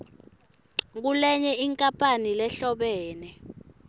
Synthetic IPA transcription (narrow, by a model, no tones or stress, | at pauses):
k̬ulɛɲɛʔiŋkʼapʰʼanilɛɬɔɓɛːnɛ